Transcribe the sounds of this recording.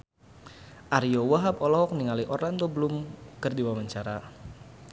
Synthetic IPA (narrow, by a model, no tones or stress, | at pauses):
ʔaɾjowaɦabɔlɔɔk̚niŋaliʔoɾaŋt̪ɔbəlʊmkərdiwawaɲt͡ʃaɾa